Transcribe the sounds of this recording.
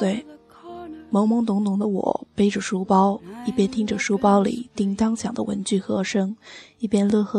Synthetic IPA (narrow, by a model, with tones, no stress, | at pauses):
t̪we˥˩ɪ | mɤ˧˥ŋmɤ˧˥ŋt̪ʊ˧˥ŋt̪ʊ˧˥ŋd̪ə˧wɔ̰˨˩˦pe˥˩ɪʈ͡ʂə˨˩ʂu˥pɑ˥ʊi˥˩pjɛ˥nt̪ʰi˥ŋʈ͡ʂə˨ʂu˥pɑ˥ʊlḭ˨˩˦t̪i˥ŋt̪ɑ˥ŋɕʰjɑ˨˩ŋd̪ə̰˦wə̰˧˥nt͡ɕy˥˩xɤ˧˥ʂɤ˥ŋi˥˩pjɛ˥nlɤ˥˧xɤ˥˩